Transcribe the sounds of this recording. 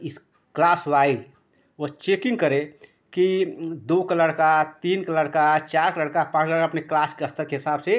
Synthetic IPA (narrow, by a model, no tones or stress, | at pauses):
is | klasʋai | ot͡ʃekĩŋɡkəɾe | kid̪okələɽkat̪inkələɽkat͡ʃaɾkləɽkapãːt͡ʃʰləɽkaəpneklaskeəst̪əɾkeɦisabse